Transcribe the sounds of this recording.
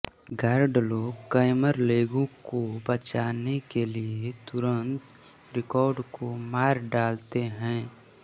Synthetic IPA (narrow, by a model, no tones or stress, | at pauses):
ɡaːɾɖloːɡkəɪməɾleːɡõkobət͡ʃaːnekeliet̪ʊɾə̃nt̪ | ɾɪkɔːɾɖkomaːɾɖaːlt̪eɦɛ̃ː